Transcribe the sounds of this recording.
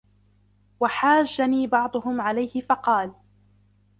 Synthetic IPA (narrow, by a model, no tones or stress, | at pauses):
waħaːʒːaniːbɑʕd̪ˤʊhʊmʕalajhɪfɑqɑːl